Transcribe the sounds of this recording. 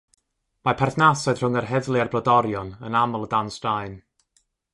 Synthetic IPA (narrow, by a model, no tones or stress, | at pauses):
mapʰɛrθnasɛd̥r̥ʊŋərɦɛðlˠiarblɔdɔɾjɔnənamɔlˠədanstaɨn